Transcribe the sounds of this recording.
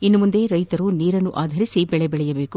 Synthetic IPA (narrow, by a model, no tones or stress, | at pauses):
inːumund̪e̞ɾɐjt̪ɐɾuniːɾɐnːuʔaːd̪ʱɐɾisibɛɭɛbɛɭɛjɐbe̞ːku